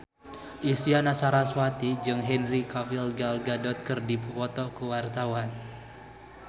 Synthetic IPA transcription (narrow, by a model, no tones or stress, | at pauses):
ʔisianasaɾaswat̪id͡ʒɨŋɦɛnrikavilɡalɡadɔt̪̚kɨrdippɔt̪ɔkuwart̪awan